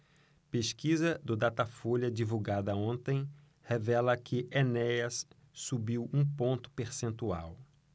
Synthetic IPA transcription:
peskizɐd̪ʊd̪at̪afolɐd͡ʒivuɡad̪ɐõnt̪ẽj̃ | hevɛlɐkʰɪʔenɛjɐsː | ubiwũpõnt̪ʊ̥peɾsẽnt̪ua̰w

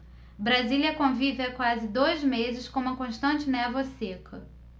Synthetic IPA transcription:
bɾaziliɐkõvivɪakwazɪd̪ojzmezɪskõũmɐkõʃt̪ɐ̃nt͡ʃɪnɛvɐsekʰɐ

